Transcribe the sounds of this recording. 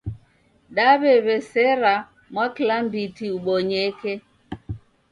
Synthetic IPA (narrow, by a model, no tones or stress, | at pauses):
ɗaβɛβɛsɛɾa | mwakilambitiuɓɔɲɛkɛ